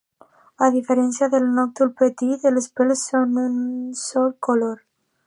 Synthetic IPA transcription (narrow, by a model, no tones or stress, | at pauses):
aðifeɾɛnsjaðelˠnɔk̚t̪ulpət̪it̪elspɛlsːonunsɔlkoloɾ